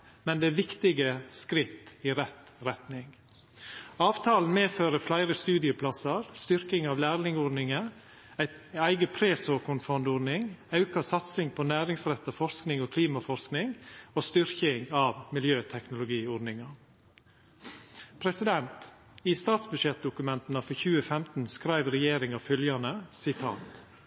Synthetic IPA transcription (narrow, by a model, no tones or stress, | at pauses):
mɛnd̪ɛæːʋɪkt̪ɪɡəskɾɪt̪ːɪɾɛt̪ɾɛt̪nɪŋ | ɑːʋt̪ʰɑːln̩meːføːɾəflæɪɾəst̪ʉːd̪ɪəpʰlɑsɑɾst̪ʏɾkɪŋɑːʋlæːɾlɪŋɔɖnɪŋə | æɪ | æɪɡəpʰɾeːsokʰʊnfɔnd̪ɔɖnɪŋɑʉkɑsɑt̪sɪŋpʰɔnæːɾɪŋsɾɛt̪ːɑfɔɾsknɪŋoːkʰliːmɑfɔɾsknɪŋoːst̪ʏɾçɪŋɑːʋmɪljøːt̪ʰɛknʊlʊɡiːɔɖnɪŋɑ | pʰɾɛsɪd̪ɛnt̪ | iːst̪ɑːt̪sbʉʃjɛt̪̚d̪ʊkʉmɛnt̪n̩ɑfɔçʉːəfɛmt̪n̩skɾæɪʋɾɛjeːɾɪŋɑfœljɑnəsɪt̪ʰɑ̰nt̪